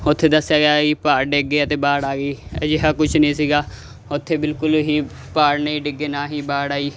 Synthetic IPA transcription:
ʊt̪ʰːeːd̪əsːjaːɡeaːiːpaːɾɖeːɡeːət̪eːbaːɽaːɡiːɛːd͡ʒɪɦaːkʊt͡ʃʰnĩːsiːɡaː | ʊt̪ʰːeːbɪlkʊlɦiː | paːɽneiɖɪɡeːnãːɦiːbaːɽaːiː

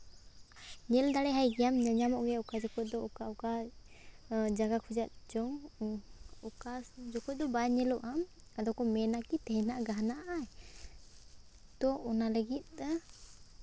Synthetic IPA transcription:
ɲɛld̪aɽɛɦajɡɛjamɲaɲamɔʔɡɛɔkad͡ʒɔkɔt̪̚d̪ɔɔkauka | d͡ʒaɡakʰud͡ʒat̪̚d͡ʒɔŋ | ɔkad͡ʒɔkɔc̚d̪ɔbaɲɛlɔʔam | ad̪ɔkɔmɛnakit̪ɛɦɛnaʔɡaɦnaʔʔaɛ | t̪ɔɔnaləɡit̪̚d̪a

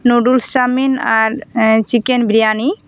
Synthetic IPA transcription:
noɖult͡ʃaminaɾt͡ʃikenbʱɾijani

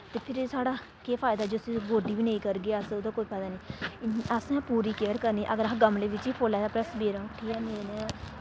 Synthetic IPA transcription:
t̪eːpʰɪɾsaːɽaː | keːpʰaːɪd̪aːd͡ʒosiɡoːɖiːʋiːnẽĩːkəɾɡeːəsʊd̪ãːkoːiːpʰəːd̪aːniːəsɛ̃ːpuːɾiːkeəɾkəɾniːʔəɡəɾaɡəmleːʋɪt͡ʃiːpʰoːlɛːaːpɾɛːsbeːɾãʈʰiːkɛːmeːneː

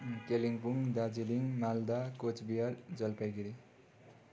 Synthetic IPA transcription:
keliŋpuŋd̪ad͡ziliŋmald̪akot͡sbijald͡zʌlpajɡiɾi

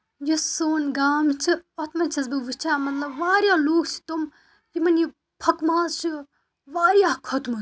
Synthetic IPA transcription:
jɐsoːnɡaːmt͡ʃʰiɐt̪mɐnt͡ʃʰɐsbɐʋɨt͡ʃʰaːmɐt̪lɐbʋaːɾjaːloːɡt͡ʃʰi̥t̪um | jimɐnji | pʰɐkmaːzt͡ʃʰi | ʋaːɾjaːkʰɐt̪mɐ

